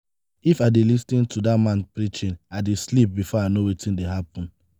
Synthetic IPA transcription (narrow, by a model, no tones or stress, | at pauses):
ifadelisnĩntʰudamãnpɹit͡ʃĩnaɪdeslip̚bifɔaɪnowitĩndeɦapɔ̃n